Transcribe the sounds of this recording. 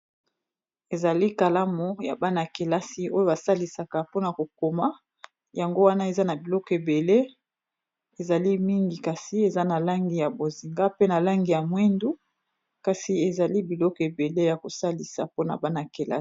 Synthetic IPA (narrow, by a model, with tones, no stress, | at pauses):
e˨za˨li˦ka˨la˦mo˨ja̰˨ba˦na˨ke˨la˦si˦o˦jo˦ba˨sa˦li˨sa˨ka˨po˦na˨ko˨ko˨ma˦ | ja˨ŋɡo˦wa˦na˦e˨za˦na˨bi˨lɔ˦kɔ˨e˨be˨le˦ | e˨za˨li˦mi˦ŋɡi˨ka˨si˦e˨za˦na˨la˦ŋɡi˨ja˨bo˨zi˨ŋɡa˦pe˦na˨la˦ŋɡi˨ja˨mwɛ˦ndu˦ | ka˨si˨e˨za˨li˦bi˨lɔ˦kɔ˨e˨be˨le˦ja˨ko˨sa˦li˨sa̰˨po˦na̰˨ba˦na˨ke˨la̰˦